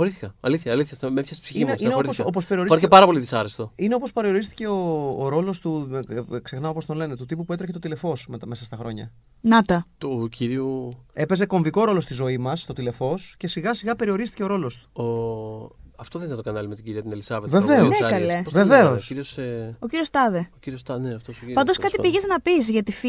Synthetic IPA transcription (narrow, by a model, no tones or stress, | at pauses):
oɾiθçɐɐliθçɐːliθçɐsmepçɐspsiçiiesineoɾiosopospeɾio̞ɾispɐɾiepɐɾɐpoliðisɐɾest̪oineopo̞speɾio̞ɾist̪i̥ce̞oːɾo̞lo̞st̪ukse̞xnɐo̞po̞st̪o̞nle̞ne̞t̪ut̪ipuput̪ɾeçet̪ot̪ile̞fo̞smet̪me̞sɐst̪ɐxɾo̞ɲɐ̰ | nɐt̪ɐt̪ocʰiɾiue̞pe̞ze̞ko̞ɱviko̞ɾo̞lo̞st̪izo̞imɐst̪o̞t̪ile̞fo̞sce̞siɣɐsiɣɐpe̞ɾio̞ɾist̪ice̞o̞ɾo̞lo̞st̪u̥o | ɐft̪oðeninɐt̪oɐnɐlimet̪iɟiɾiɐt̪inelisɐveve̞ve̞oekɐlesve̞ve̞osoiɾioseociɾio̞st̪ɐðeociɾiost̪ɐneɐft̪osoiɐnd̪oskɐst̪ipiʝeznɐpizʝɐt̪if